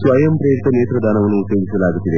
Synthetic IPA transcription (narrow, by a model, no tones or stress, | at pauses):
sʋɐjɐmpɾeːɾit̪ɐneːt̪ɾɐd̪ʱaːnɐʋɐnːuːt̪jeːɡisɐlaːɡut̪ːid̪e